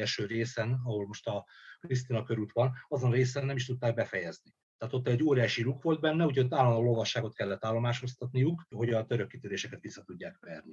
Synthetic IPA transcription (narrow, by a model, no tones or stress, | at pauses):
ɛlʃøːɾeːsɛnɒho̞lmo̞ʃt̪ɒkɾis̬t̪inɒkøɾut̪ʋɒnɒzonreːsɛnːɛmiʃt̪ut̪ːaːɡ̚bɛfɛjɛzni | t̪ɛaːt̪o̞t̪ːɛɟːoːɾijaːʃilukʋo̞ld̪̚bɛnːɛuɟot̪ːaːlːɒnd̪olo̞lvɒʃːaːɡo̞t̪kɛlːɛt̪ːaːlːo̞maːʃho̞st̪ɒt̪nijukho̞ɟɒt̪øɾøkːit̪yɾeːʃɛkɛt̪ʋisːɒt̪uɟːaːkʋɛrni